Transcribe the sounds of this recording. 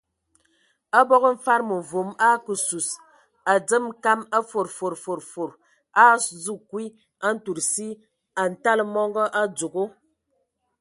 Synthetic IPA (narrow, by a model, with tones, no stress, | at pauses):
a˦bɔ˦ɣə˦m̩˨fa˦ɾmə˨vo˨˦ma˦kə˨su˨s | a˨d͡zə˦m˦ka˦ma˦fo˨ɾfo˨ɾfo˨ɾfo˨ɾ | a˦˨zu˦kwi˦ | a˦n̩˦tu˨ɾsi˦ | a˨n̩˨ta˦lmɔ˦ŋɡɔ˦ʔa˦d͡zu˨ɡo˦